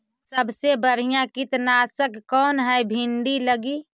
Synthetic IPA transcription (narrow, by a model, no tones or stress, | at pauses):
səbsebəɽ̤ijãkɪt̪naːsəkkɔːnɦɛbʱɪ̃ɳɖiləɡiː